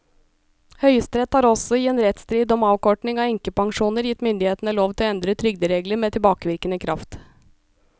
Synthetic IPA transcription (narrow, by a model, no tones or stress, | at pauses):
hœʏəst̪ɾɛt̪hɑːɾɔsɔɪeːnɾɛt̪st̪ɾiːd̪ɔmɑːʋkɔʈɳɪŋɑːɛŋkəpɑŋʂuːnəɾjɪt̪ːmʏnd̪ɪheːt̪ənəloːʋt̪ʰɪlɔɛnd̪ɾət̪ʰɾʏɡd̪əɾeːɡləɾmeːt̪ʰɪlbɑːkəʋɪɾkənəkʰɾɑft̪